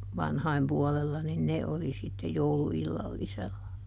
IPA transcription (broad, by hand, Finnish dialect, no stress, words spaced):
ʋɑnhɑim puɔlelːɑ nin ne oli sitːe jouluilːɑlːiselːɑ